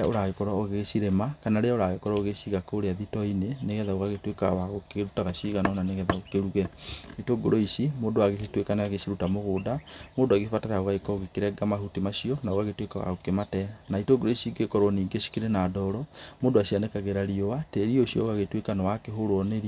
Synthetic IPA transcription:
oɾaɣekɔɾaoɣɣeʃiɾemakanaɾeaoɾaɣekɔɾaoɣeʃiɣakoɾeaðitɔineneɣɛðaoɣaɣetwekawaɣokɾutaɣaʃiɣanɔnaneɣɛðaokeɾuɣɛitoɡoɾoiʃimoːdoaɣeetwekanaaɣeʃiɾutamoɣoːdamoːdoaɣefataɾaoɣaekɔoɣekeɾɛɡamaɦutimaʃiɔnaoɣaɣetwekawa̰ɣokematɛnaitoɡoɾoisiɡekɔɾwɔniːŋɡeʃi̥keɾenadɔɾɔmoːdoaʃianekaɣeɾaɾiowateɾioʃjɔ̰oɣaɣetwekanɔwakeɦoɾoɔneɾi

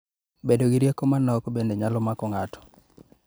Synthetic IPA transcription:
bedoɡiɾijekɔmanːɔkbendeɲalɔmakɔŋatʰɔ̥

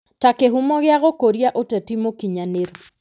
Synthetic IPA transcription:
takeɦumɔɣeaɣokoɾjaʔotɛtimokiɲaneɾɔ

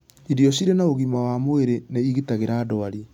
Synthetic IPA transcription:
iɾiɔɕ̬iɾenaoɣimawamoeɾeneiɣitaɣeɾaːdɔaɾi

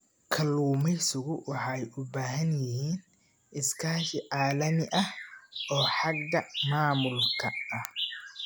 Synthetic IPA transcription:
kʰɐluːmɛjsʊɣʊwɑħɑɛjʔʊbaːɦɐnjɪɦiːn | ʔɪskʰaːʃɪʕaːlɐmɪʔɐhʔɔːħɑɡ̪ːɐmaːmʊlkʰɐʔɐh

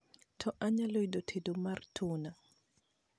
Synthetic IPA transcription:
tʰɔʔaɲalɔjdɔtʰedɔmaɾtʰuna

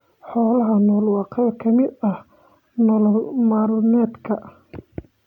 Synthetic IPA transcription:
ħɔːlɐɦɐnɔːlwɑːqɛjɐkʰɐmɪd̪ɐh | nɔllmaːɾʊnɛːd̪kʰɐ

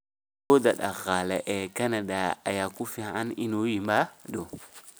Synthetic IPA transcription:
kodaɗa̰ɣalaʔekanadaa̰jakufia̰ninowimbado

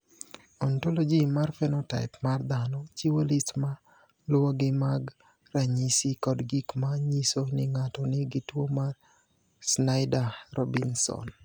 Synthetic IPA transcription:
ɔntolod͡ʒimarfɛnɔta̰ɪpmard̪anɔt͡ʃiwolistma | lwoɡɪmaɡ | raɲisikɔdɡikmaɲisonɪŋatɔnɪɡɪtwomar | snaɪdaɾɔbinsɔ̰n

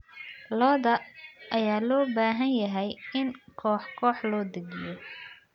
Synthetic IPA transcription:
lɔːðɐʔɐjaːlɔːbaːɦɐnjɐɦɛjɪnkʰɔːħkʰɔːħlɔːd̪ɐɡɪjɔ

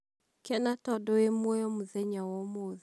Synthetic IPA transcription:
kɛnatɔdɔjemwɔjɔmuðɛɲawɔmoð

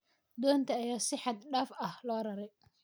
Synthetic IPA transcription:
d̪ɔːnt̪ʰɐːjaːsɪħɑd̪ɖaːfɐhlɔːɾɐɾɛj

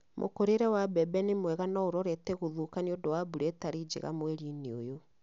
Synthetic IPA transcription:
mʔo̰koɾeɾɛwabɛbɛnemwɛɣanɔoɾɔɾɛtɛɣoðukaniodowabuɾetaɾid͡ʒḛɣa̰mweɾinio̰jo

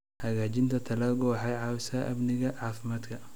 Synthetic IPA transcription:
hɐɣaːt͡ʃɪnt̪ʰɐt̪ʰɐlɐɣɔːħɑjʕɑːwɪsɐʔɐbnɪɣɐʕaːfɪmaːd̪kʰɐ

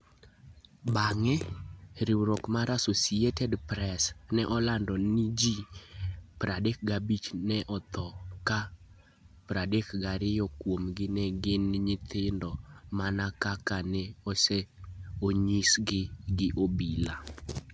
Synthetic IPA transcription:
baŋɛɾɪwɾɔkmaɾasosiɛtɛdpɾɛsnɛʔɔlandɔnid͡ʒi | pɾadek̚ɡabit͡ʃnɛʔɔt̪ʰɔka | pɾadekɡaɾɪjɔkwomɡɪnɛɡɪnɲɪt̪ɪndɔmanakakanɛɔsɛoɲisɡɪɡɪʔobila

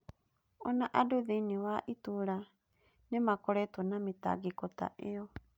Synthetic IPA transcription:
ɔnaʔadoðiniwaʔituɾa | nemakɔɾɛtonamita̰ɡikota̰ʔeɔ

